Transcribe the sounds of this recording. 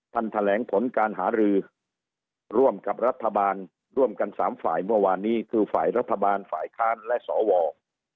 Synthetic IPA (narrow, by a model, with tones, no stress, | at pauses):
t̪ʰa˥˩nt̪ʰa˧lɛː˩˦ŋpʰo˩˦nkaː˧nɦaː˩˦ɾɯː˧ | ɾu˥˩əmka˨˩p̚ɾa˦˥t̪ʰːa˧baː˧n | ɾu˥˩əmka˧nsa̰ː˩˦mfa̰ː˨˩jmɯ˥˩ɐwaː˧nːiː˦˥kʰɯː˧fa̰ː˨˩jɾa˦˥t̪ʰːa˧baː˧nfaː˨˩jkʰaː˦˥nlɛ˦˥ʔsɔː˩˦wɔː˧